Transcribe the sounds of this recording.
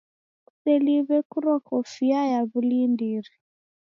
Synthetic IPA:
kusɛliβɛkuɾɔkɔfiajaβulindiɾi

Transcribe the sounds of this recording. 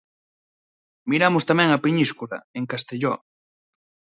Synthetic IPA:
miɾamʊst̪amɛ̃ŋɐpiɲiskulɐ̰eŋkast̪eʎɔ

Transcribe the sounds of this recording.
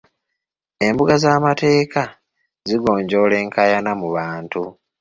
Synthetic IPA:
e̞mbuɡazaːmate̞ːka | ziɡo̞ːɲɟo̞ːle̞ːŋkʰajanamuβaːntu

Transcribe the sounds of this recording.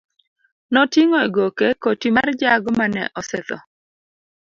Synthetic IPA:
nɔtiŋɔeɡokekotimard͡ʒaɡmanɛ̰ʔɔsɛt̪ɔ

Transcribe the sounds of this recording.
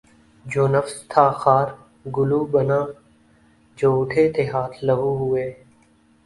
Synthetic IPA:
d͡ʒoːnəfst̪ʰaːxaːɾ | ɡʊluːbənãː | d͡ʒoːʊʈʰeːt̪eːɦaːt̪ʰləɦuːɦʊeː

